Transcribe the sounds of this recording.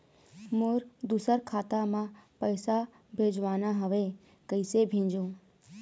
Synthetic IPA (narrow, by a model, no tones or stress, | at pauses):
moɾd̪usəɾkʰaːt̪amãpəɪsa | bʱeːd͡ʒʋaːnaɦəʋe | kəɪsebʱẽːd͡ʒoː